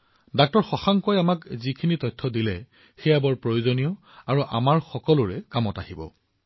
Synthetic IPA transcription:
dak̚tɔɹxɔxaŋkojamakzikʰinitɔjtʰːɔdilɛ | xɛjabɔɹpɹojozonijɔ | aɹuʔamaɹxɔkɔlʊɹɛkamɔtahibɔ̰

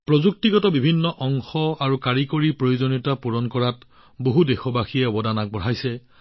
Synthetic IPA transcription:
pɹɔzuk̚tiɡɔtɔbibʱinːɔʔɔŋxɔaɹukaɹikoɹipɹojuzoniɔtapuɹɔnkɔɹat | boɦudexɔbaxijɛɔbɔdanak̚bɔɹ̤ajsɛ

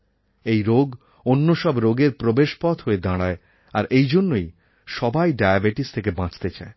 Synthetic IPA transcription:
ejɾoɡ | onːoʃɔbɾoɡeɾpɾobeʃpɔt̪ɦoed̪ãɽae | aɾʔejd͡ʑonːoj | ʃɔbajɖajabeʈist̪ʰekebãt͡ɕt̪et͡ɕa̰e

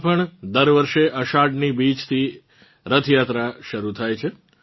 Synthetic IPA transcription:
pəɳd̪əɾʋəɾʃeʔəʃaɖnibit͡ʃt̪ʰi | ɾət̪ʰjat̪ɾaʃəɾut̪ʰajt͡ʃʰe

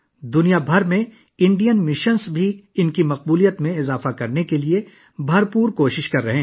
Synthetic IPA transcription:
d̪ʊnijabʱɐɾmẽ | ɪ̃ɳɖijənmɪʃənsbʱiɪnkimɐq̚buːlijət̪mẽɪzaːfakɐɾnekelie | bʱɐɾpuːɾkoːʃɪʃkɐɾːɐɦẽː

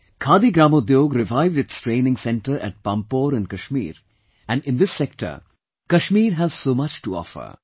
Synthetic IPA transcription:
kʰaːd̪iɡɾãːmod̪joːɡɾɪʋaɪʋɖɪtsʈɾẽːnɪ̃ŋsɛ̃ɳʈəɾæ̰ʈ̚pãmpoːɾɨ̃nkɐʃmḭːɾ | æ̃nɖɪ̃nd̪ɪsːɛk̚ʈə̰ɾ | kɐʃmiːɾɦæz̥soːmʌt͡ʃʈuɔ̰ːfə̰ɾ

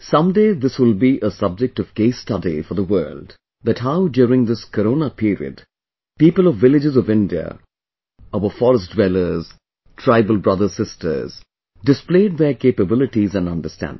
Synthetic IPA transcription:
sʌ̃mdeːðɪswɪlˠbiʔəsʌb̚d͡ʒɨk̚tɔvɡeɪstʌdḭfɔ˞ðəwɜ̰ːld | ðætɦaʊdjʊːɾɪ̃ŋðɪskəɾõːnəpʰiɾḭɨ̰d | piːpəlˠɔvːɪlɪd͡ʒɨzɔvɪ̃ndiə̰ | ovəfɔɾəsdwɛlə˞z̥ | tʰɹ̥aɪbəlˠbɹʌðə˞sɪstʰə̰˞z̥ | dɨspleɪɖ̚ðəkʰepəbɪlɪʈizæ̃nʌ̃ndəstæ̰̃nd

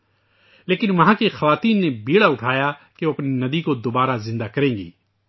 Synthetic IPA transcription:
leːkɪnʋɐɦãːkexɐʋaːt̪iːnːebiːɽaʊʈʰaːjakeoɐpninɐd̪ikod̪obaːɾazɪ̃nd̪akɐɾẽːŋɡḭː

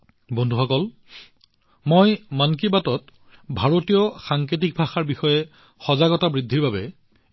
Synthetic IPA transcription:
bɔndʱuxʰɔkɔl | mojmankibatɔt | bʱaɹotijɔxaŋket̬ik̚bʱaxaɹbixɔjɛ | xɔzaɡɔtabɹidʱːiɹbabɛ

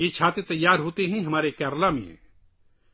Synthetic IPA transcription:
jet͡ʃʰaːt̪et̪ɐjːaːɾɦoːt̪iɦɛ̃ɦɐmaːɾekɛːɾlameɦɛ̰̃ː

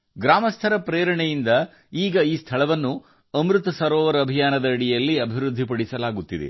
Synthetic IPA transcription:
ɡɾaːmɐst̪ʰɐɾɐpɾeːɾɐɳɛjind̪ɐ | iːɡɐiːst̪ʰɐɭɐʋɐnːu | ɐmɾut̪ɐsɐɾɔːʋɐɾɐbʱijaːnɐd̪ɐɐɽijɐlːiɐbʱiɾud̪ʱːipɐɽisɐlaːɡut̪ːid̪ḛ

